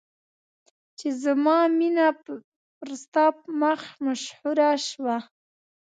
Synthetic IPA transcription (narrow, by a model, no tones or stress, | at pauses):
t͡ʃezamɑminap | ɾst̪ɑpmaxmaʃhuɾaʃwa